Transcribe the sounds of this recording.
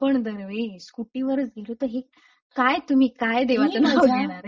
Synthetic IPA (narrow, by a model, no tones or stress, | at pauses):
pəɳd̪əɾʋeskuʈiːʋəɾət͡sɡʱelot̪əɾɦe | kajt̪um̤iːkajd̪eʋat͡sənaoɡeɽ̃aɾ